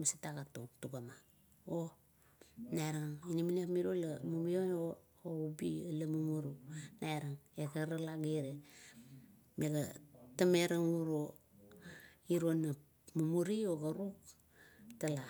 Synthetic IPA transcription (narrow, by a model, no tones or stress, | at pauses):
masitaɡatuŋtuɡama | o | naeɾaŋiniminiapmiɾolamumijoo | oubialamumuɾunaeɾaŋeɡaɾalaɡeɾe | meɡatameɾaŋuɾo | iɾonːa | mumuɾioɡaɾuk | tala